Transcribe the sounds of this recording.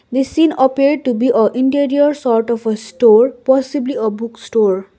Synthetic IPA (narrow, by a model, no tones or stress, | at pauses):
d̪isĩnəpiɾɖ̚ʈubiʔəʔĩɳʈiɾiəɾsɔɾʈɔfəsʈoɹpɔsibliəbuksʈoɹ